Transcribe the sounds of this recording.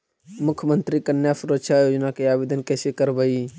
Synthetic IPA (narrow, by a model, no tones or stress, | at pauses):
mʊkʰjəmənt̪ɾikənjasuɾət̪ʃʰajod͡ʒnakeabed̪ənkɛsekəɾbəi